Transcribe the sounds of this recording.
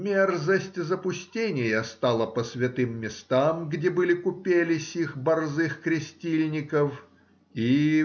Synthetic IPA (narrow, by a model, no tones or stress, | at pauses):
mʲerzəsʲtʲzəpʊsʲtʲenʲɪjəst̪alˠəpəsvʲɪt̪ɨmːʲɪst̪amɡdʲebɨlʲɪkʊpʲelʲɪsʲixbɐrzɨxkɾʲɪsʲtʲilʲnʲɪkəf | i